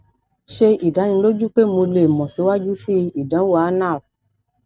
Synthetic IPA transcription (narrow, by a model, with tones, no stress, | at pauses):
ʃe˧i˨da˨˦nĩ˧lo˦d͡ʒu˦k͡pe˦mõ˧le˦˨mɔ̃˨si˨˦wa˦d͡ʒu˦si˦i˨dã˨˦wa˨˦nã˦˨